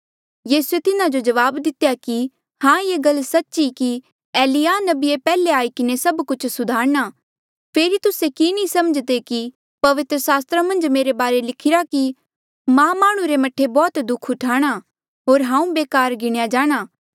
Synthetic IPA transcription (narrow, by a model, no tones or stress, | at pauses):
jiːsuet̪ɪnad͡ʒod͡ʒɐʋaːbd̪ɪt̪ejaki | hãjeːɡɐlːsɐtːʃiki | ɛːlijaːnɐbiepɛːleaːikɪnesɐbkʊt͡ʃʰsʊd̪ʱaːɾña | pʰeːɾit̪ʊsekinĩsɐməd͡ʒd̪eki | pɐʋɪt̪ɾəsaːst̪ɾamɐ̃nd͡ʒmeːɾebaːɾelɪkʰɪɾaki | mãmaːɽ̃ũɾemɐʈʰːebɔːt̪d̪ʊkʰʊʈʰaːɽ̃a | ɦoːɾɦãːũbeːkaːɾɡɪɽ̃jad͡ʒaːɽ̃aː